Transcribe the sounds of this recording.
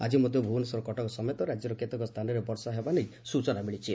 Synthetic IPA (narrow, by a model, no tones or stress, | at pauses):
a̰d͡ʒimod̪ʱjobʱunesɔɾɔkɔʈɔkɔsɔmet̪ɔɾad͡ʒjɔɾɔket̪ɔkɔst̪ʰanɔɾebɔɾsaɦebanejsut͡ʃɔnabeɭit͡ʃʰi